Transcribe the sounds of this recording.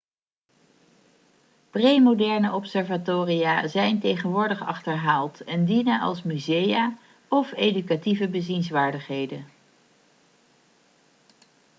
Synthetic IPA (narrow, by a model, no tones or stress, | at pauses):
prejmodɛɹnəʔɔpsɛɹvatoːrijaːzɛjntejχənʋʊːɹdəχɑ̰χtəɹɦaːlˠtɛndinənʔɑ̰lˠsmyzejaː | ɔfejdykativəbəzinsʋaːɹdəχɦejdən